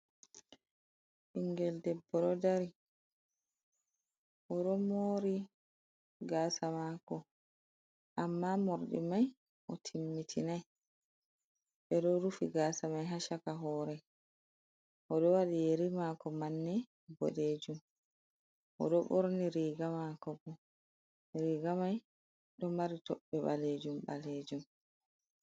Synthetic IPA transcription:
ʔiŋɡɛldɛbːɔɗɔdaɾi | ʔɔɗɔmoːɾi | ɡaːsamakɔ | ʔamːamoɾɗḭmaj | ʔɔtʰimːitʰinaj | ɓɛɗɔɾufiɡaːsamajɦaʃakaɦɔːɾɛ | ʔɔɗɔwaɗijeɾimakɔmanːɛ | bɔ̰ɗeːd͡ʒum | ʔɔ̰ɗɔɓoɾniɾiːɡamakɔbɔ | ɾiːɡamaj | ɗɔmaɾitɔɓːɛɓa̰led͡ʒumba̰leːd͡ʒum

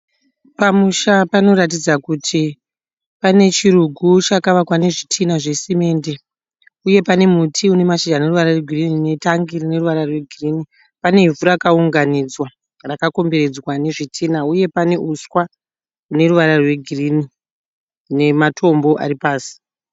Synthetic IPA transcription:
pamuʃapano̞ɾat̬id͡zakutʰi | pane̞t͡ʃiɾuɡʱut͡ʃakaʋakwane̞ʐitʰinaʐe̞sime̞nde̞ | uje̞pane̞mutʰiune̞maʃid͡ʒane̞ruʋaɾarweɡʱirinine̞taŋɡirine̞ruʋaɾarwe̞ɡʱirini | pane̞iɱvuɾakauŋɡanid͡zwa | rakako̞mbe̞ɾe̞d͡zwane̞ʐitʰiːnauje̞pane̞ʔuswa | une̞ruʋaɾarwe̞ɡʱiriːni | ne̞matʰo̞mbo̞ʔa̰ripaːsi̥

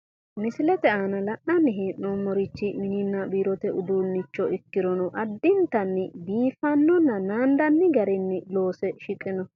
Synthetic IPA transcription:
mɪsɪlɛt̪ɛaːnɐlɐʔːɐnːɪɦɪʔnɔmːɔɾɪt͡ʃːɪmɪnɪnːɐbiːɾɔt̪ɛʊd̪unːɪt͡ʃːɔɪkːɪɾɔnɔʔɐd̪ːɪnt̪ɐnːɪbiːfɐnːɔnːɐnaːnd̪ɐnːɪɡɐɾɪnːɪlo̞ːsɛʃɪkʼːɪnɔ

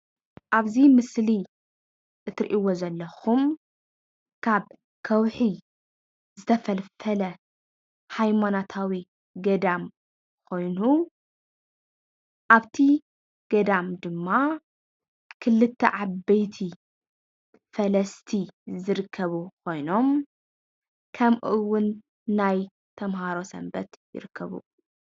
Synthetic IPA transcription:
ʔaβzimɨsli | ʔɨt̪ɾʔiwozɐlːɐxum | kʰaβ | kʰɐwħi | zɨt̪ʰɐfɐlfɐlɐ | hajmanat̪ʰawi | ɡɐd̪am | kʰo̞jnu | ʔaβt̪ʰi | ɡ̥ɐd̪amd̪ɨmːa | kʰɨlːɨt̪ʰːɐ̰ʕabɐjt̪ʰi | fɐlɐst̪ʰizɨɾɨkʰːɐβukʰo̞jno̞m | kʰɐmʔɨwːʊnː | aj | t̪ʰɐmhaɾo̞sɐ̰mbɐ̰t̪jɪ̰ɾɨkʰːɐβṵ

